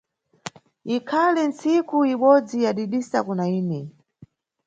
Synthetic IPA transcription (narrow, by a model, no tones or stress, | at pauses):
ikʰalɛnt͡sikuiɓɔd͡zijaɗiɗisakunaiːnɛ